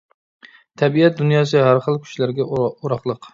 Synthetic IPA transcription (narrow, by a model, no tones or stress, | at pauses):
t̪ʰɛbiɛt̪̚d̪unjɑːs̬ɨɦæɾχəlˠkʲʰy̥ʃlæɾɡʲɛoɾɑχlˠəq